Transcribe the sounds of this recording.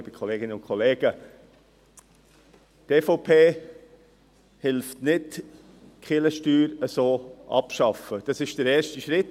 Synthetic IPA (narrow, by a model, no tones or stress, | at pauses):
bikʰɔleːɡɪnəʊnkʰɔleːɡ̥ə | teːfopʰeː | hɪlftnɪt | kχɪləʃtyːɾəsoːʔɑ̰pʃɑfəd̥ɑsɪʃd̥əɾɛːɾʃtiʃɾɪt